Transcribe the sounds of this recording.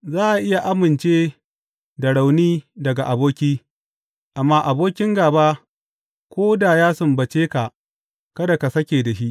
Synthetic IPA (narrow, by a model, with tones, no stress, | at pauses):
zaː˦ʔa˨ʔɪ˦ja˨ʔa˦mɪ˨nt͡ʃeː˦ | da˨ɽa˨wniː˦dɐ˨ɡa˨ʔa˨boː˦kʲiː˦ | ʔa˨mːaː˦ʔa˨boː˦kʲɪ˦ŋɡaː˨baː˦ | kʷoː˦da˨jaː˦sʊ˨mbɐ˨t͡ʃeː˦ka˨ʔ | kɐ˦da˨ka˨sɐ˦kʲeː˨da˨ʃi˦ʔ